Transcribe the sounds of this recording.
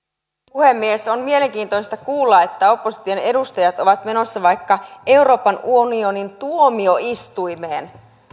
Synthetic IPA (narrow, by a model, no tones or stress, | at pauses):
puhe̞mːiesonmie̞leŋkiːnt̪oist̪ɑkuːlːɑet̪ːæo̞pːosit̪ione̞dust̪ɑjɑt̪o̞ʋɑt̪me̞no̞sːɑʋɑjkːɑe̞uwɾo̞ːpɑnuonio̞nint̪uomio̞ist̪ujme̞ːn